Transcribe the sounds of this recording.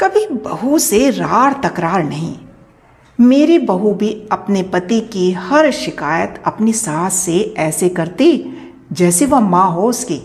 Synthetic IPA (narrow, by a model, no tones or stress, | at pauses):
kɐbʱibɐɦuseɾaːɾt̪ɐkɾaːɾnɐɦḭ̃ː | meːɾebɐɦubʱiɐpnepɐt̪ikihɐɾʃɪkaːjət̪ɐpnisaːt̪ʰseɛːsekɐɾt̪e | d͡ʒɛːseʋɐɦmãːɦoʊskeː